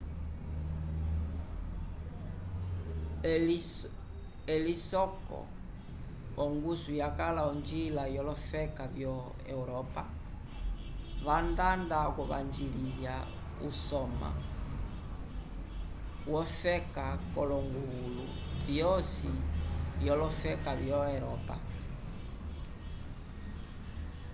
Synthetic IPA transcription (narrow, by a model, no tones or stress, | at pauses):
ɛlisɔkɔ̰ | ɔŋɡusujakalaɔnd͡ʒilajɔlɔfɛkavjɔ | ɛ̰uɾɔpa | βandandakɔβa̰nd͡ʒililja | usɔma̰ | wɔfɛkakɔlɔŋɡuɣulu | vjɔsijɔlɔfɛkavjɔɛɾɔpa̰